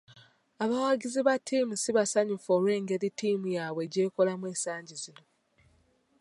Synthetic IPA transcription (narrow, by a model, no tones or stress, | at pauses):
aβawaɡiziβatʰːiːmusiβasaɲufolwe̞ːŋɡe̞ɾitiːmujaβwe̞ɟe̞ːko̞lamwe̞ːsaːɲɟizino̞